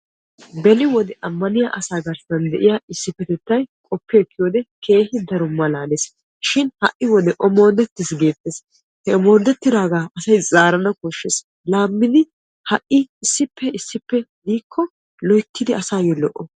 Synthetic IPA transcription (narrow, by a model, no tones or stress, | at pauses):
bɛnɪwɔd̪ɛʔɐmːɐnɪjaʔɐsaːɡɐɾsɐnd̪ɛʔɪjaɪsːɪpːɛt̪ɛt̪ːɐjkʼɔpːɛːkːɪjoːd̪ɛkʰe̞ːhɪd̪ɐɾʊmːɐlaːleːs | ʃɪnhɐ̰ʔːɪwɔd̪ɛʔɔmo̞ːd̪ɛt̪ːɪsɡe̞ːt̪ʼːeːs | hɛɔmo̞ːd̪ɛt̪ːɪd̪aːɡaːɐsɐjzʼaːɾɐnɐkoʃːes | laːmːɪd̪ɪ | hɐʔɪɪsːɪpːɛɪsːɪpːɛd̪iːkʰːɔ | lɔjk̪ːɪd̪ɪɐsaːjɡɛlɔ̰ʔːɔ